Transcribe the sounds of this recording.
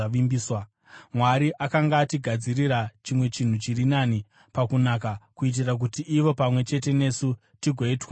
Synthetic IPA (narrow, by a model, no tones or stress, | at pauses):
aʋimbiːswa | mwaɾiʔakaŋɡaːtiɡʱad͡ziriɾat͡ʃimwe̞t͡ʃin̤ut͡ʃirinani | pakunakakuit̬irak̬utiʔːʋo̞pamwe̞t͡ʃe̞te̞ne̞su | tiɡʱoiːtwa